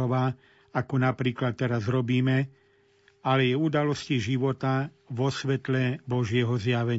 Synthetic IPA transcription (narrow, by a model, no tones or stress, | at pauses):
ɔʋaː | akɔnapɾiːklat̪ːɛɾazɾɔbiːmɛ | alɛjɛud̪alɔsciʒiʋɔt̪a | ʋɔsʋɛt̪lɛbɔʒɪɛɦɔzjaʋɛɲ